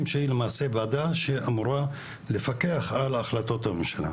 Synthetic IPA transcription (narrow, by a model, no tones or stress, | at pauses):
mʃeilemaːsebad̪aʃeʔamuɾa | lefake̞aχalaχlat̪o̞t̪amemʃala̰